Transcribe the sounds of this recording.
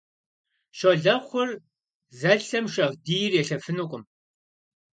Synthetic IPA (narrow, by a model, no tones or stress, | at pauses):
ʃoɮɐχʷʊr | zɐɬɐmʂɐʁdiːjɪrjɛɬɐfɨnukʷʼʊm